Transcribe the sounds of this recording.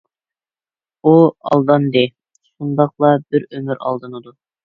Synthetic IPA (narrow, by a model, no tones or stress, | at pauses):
uɑ̰lˠd̪ɑnd̪ɪ | ʃund̪ɑqlˠɑbɪɾømyɾɑ̰lˠd̪ɨnɨd̪u